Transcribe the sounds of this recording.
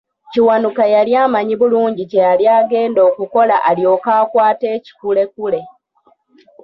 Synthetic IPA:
ciwanukajaljaːmaɲiβuluːɲɟice̞jaljaːɡe̞ːndo̞ːkuko̞laʔaljo̞ːkaːkwaːte̞ːci̥kule̞kule̞

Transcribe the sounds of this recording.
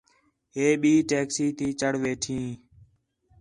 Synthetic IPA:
ɦeːɓiːʈeːksiːt̪iːt͡ʃəɽʋeːʈʰĩː

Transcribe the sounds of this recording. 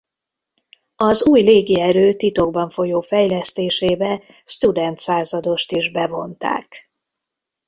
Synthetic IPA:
ɒzuːjleːɡiɛɾøːt̪it̪o̞ɡ̚bɒɱfo̞joːfɛjlɛst̪eːʃeːbɛ | st̪ud̪ɛnt̪saːzɒd̪o̞ʃt̪iʒbɛvo̞nt̪a̰ːk

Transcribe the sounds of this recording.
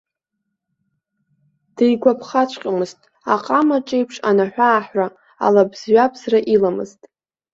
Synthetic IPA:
d̥ejɡʷapʰχat͡ʃʷʰqʲʼamɨztʼ | aqʼamaʈ͡ʂʼejpʰʂa̰naħʷᶣaːħra | a̰labzɥapʰʼzraʔilamɨ̰ztʼ

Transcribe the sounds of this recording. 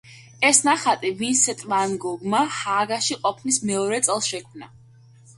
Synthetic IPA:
ɛsnaχat̪ʼivinsɛt̪ʼmanɡɔɡmahaːɡaʃiqʼɔpʰnismɛɔɾɛt̪sʼɛlˠʃɛkʰmna

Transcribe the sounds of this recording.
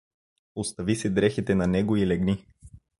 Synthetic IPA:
ost̪ɐvisɛd̪ɾɛxit̪ɛnanɛɡoilɛɡni

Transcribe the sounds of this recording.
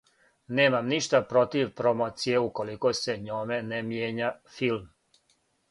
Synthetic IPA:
neːmamniʃt̪apɾo̞t̪iʋpɾomoːt̪sije̞uko̞likose̞ɲoːme̞nemjeːɲafilm

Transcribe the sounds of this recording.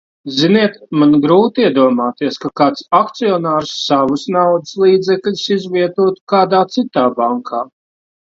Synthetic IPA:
ziniɛt̪manɡɾuːt̪iɛd̪uɔmaːt̪iɛskakaːt̪sakt̪siɔnaːɾsːavusnawd̪u̥slˠiːd̪zɛklʲisizviɛt̪uːt̪u̥kaːd̪aːt̪sit̪aːbaŋkʰaː

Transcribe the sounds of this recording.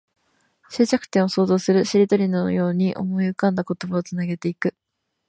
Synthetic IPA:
ɕɨt͡ɕakɯ̟̥t̪ẽɰ̃o̞so̞ːzo̞ːsɨɾɯ̟ɕiɾʲid̪o̞ɾʲinojo̞ːɲ̟iʔo̞̰mo̞iɯ̟kãnd̪ako̞t̪o̞baot͡sɨnaɡe̞t̪e̞ikɯ̟

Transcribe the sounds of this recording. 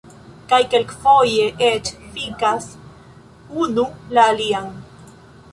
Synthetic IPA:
kajkelkfojeʔet͡ʃfikas | unulaːliaŋ

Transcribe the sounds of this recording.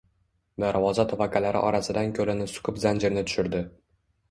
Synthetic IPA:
d̪aɾvɒzat̪ʰavakʰalaɾɪ̰ʔɒ̰ɾasɪd̪ankʲʰɵlɪnɪsʊ̥kʰʊpzand͡ʒɪɾnɪt̪ʰʊ̥ʃɪɾd̪ɪ

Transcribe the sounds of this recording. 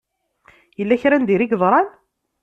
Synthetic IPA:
jəlːæçɾænd̪iɾiɡðˤɾˤɑn

